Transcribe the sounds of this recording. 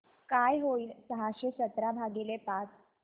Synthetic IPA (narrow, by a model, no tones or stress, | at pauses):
kajɦoiːlsəɦaɕesət̪ɾabʱaɡelepat͡s